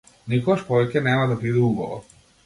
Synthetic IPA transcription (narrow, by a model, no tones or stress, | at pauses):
nikɔɡaʃpɔvɛkʲɛnɛmad̪abid̪ɛuɡɔvɔ̰